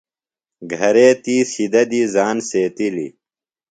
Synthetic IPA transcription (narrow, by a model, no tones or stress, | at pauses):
ɡʱɐɾeːt̪iːsid̪ɐd̪iːzaːnseːt̪ilḭ